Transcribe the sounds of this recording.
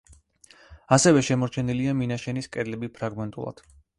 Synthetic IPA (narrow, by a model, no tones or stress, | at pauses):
asɛvɛʃɛmɔɾt͡ʃʰɛniliaminaʃɛniskʼɛd̪lɛbipʰɾaɡmɛnt̪ʼṵlˠa̰d̪̥